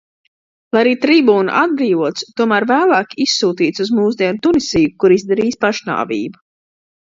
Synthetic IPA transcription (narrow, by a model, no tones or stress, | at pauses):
lˠajaɾiːt̪ɾibuːn̰ʔad̪̚bɾiːvuɔt̪st̪uɔmæːɾvæːlˠaːkʲisːuːt̪iːt̪suzmuːzd̪ʲiɛnt̪unisijukuɾizd̪ɛɾiːspaʃna̰ːvḭːbu